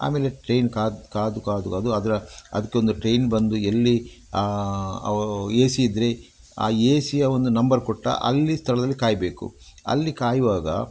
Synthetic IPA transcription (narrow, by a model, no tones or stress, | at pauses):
a̰ːmeːleʈɾejnkaːkaːd̪ukaːd̪ukaːd̪uɐd̪ɐɾɐɐ̰d̪ɐkːeo̞nd̪uʈɾejnbɐnd̪uelːi | a | eːsiːd̪ɾe | a̰ːeːsijɐo̞nd̪unɐmbɐɾkoʈːɐ̰ʔɐ̰lːist̪ʰɐɭɐd̪ɐlːikaːjbe̞ːkṵɐ̰lːikaːjiʋaːɡɐ̰